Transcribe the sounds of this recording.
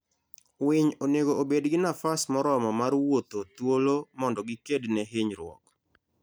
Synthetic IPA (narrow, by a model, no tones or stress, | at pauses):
wɪɲoneɡoobedɡɪnafasmɔɾɔmɔmarwot̪ot̪wolomɔndɔɡɪkednɛɦɪɲɾwɔ̰k